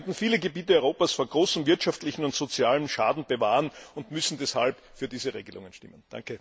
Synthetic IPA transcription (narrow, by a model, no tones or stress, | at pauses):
ntn̩fiːləɡəbiːt̬əɔʏʁoːpasfoːɐɡ̥ʁoːsm̩vɪɐtʃaftlɪçn̩ʊntz̥ot͡sjaːlənʃa̰ːdn̩b̥əvaːʁənʊntmʏsn̩dɛshalp | fyːɐdiːzəʁḛːɡəlʊ̰ŋənʃtɪ̰mənd̥a̰ŋkə